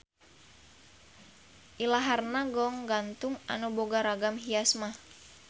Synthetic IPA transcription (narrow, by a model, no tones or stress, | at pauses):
ʔilaɦarnaɡɔŋɡant̪uŋa̰nuboɡaɾaɡamɦiasmah